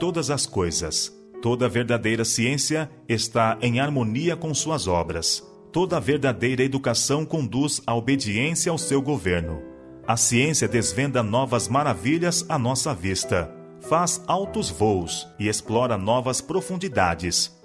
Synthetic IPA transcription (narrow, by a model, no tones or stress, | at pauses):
t̪od̪ɐzɐskojzɐ̰s | t̪od̪ɐveɾd̪ad̪ejɾɐsiẽsiɐ | est̪aʔẽj̃aɾmõniɐkõsuɐzɔbɾɐs | t̪od̪ɐveɾd̪ad̪ejɾɐed̪ukasɐ̃w̃kõnd̪uzaobed͡ʒiẽsjɐawsewɡoveɾnʊ | ɐsiẽsiɐd̪ezvẽnd̪ɐnɔvɐzmaɾaviʎɐzanɔsɐvist̪ɐ | fazawt̪ʊzvowsɪesplɔɾɐnɔvɐspɾofũnd͡ʒid̪a̰d͡ʒɪs